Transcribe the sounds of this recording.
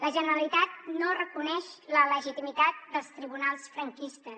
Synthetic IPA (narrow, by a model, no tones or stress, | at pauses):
ləʒənəɾəlit̪at̪̚norəkunɛʃlələʒit̪imit̪at̪̚d̪əlˠst̪ɾiβunalˠsfɾəŋkist̪əs